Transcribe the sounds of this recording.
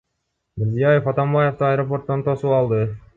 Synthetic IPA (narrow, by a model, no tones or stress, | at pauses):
mɪɾzijajefɑt̪ɑmbajeft̪ɑɑjɾo̞p̬o̞rt̪ːont̪ʰo̞suɑlˠd̪ɯ